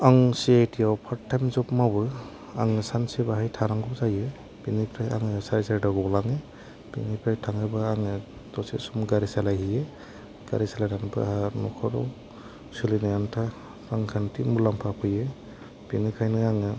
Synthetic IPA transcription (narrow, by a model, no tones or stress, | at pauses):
aŋsiajtʰiawpʰatʰːajmzɔpmabɯ | a̰ŋɯsansebaɦajtʰaɾaŋɡɔzajɯ | binikʰɾaja̰ŋɯsaɾisaɾdaɡɔlaŋɯ | b̥inikʰɾajtʰaŋɯbaaŋɯdɔsesumɡaɾisalajhɯjɯ | ɡ̥a̰ɾisalajdanbɯ̰ahaɾnɔkʰɔɾɔ̰w | sɯlinajantʰa | ɾaŋkʰantʰimulampʰapʰɯjɯ | binikʰajnɯaŋɯ